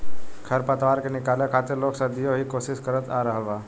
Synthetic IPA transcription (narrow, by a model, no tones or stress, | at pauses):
kʰəɾpət̪ʋaɾkenɪkalekʰat̪iɾloksad̪ijoɦiːkosiskəɾət̪aɾəɦəʋa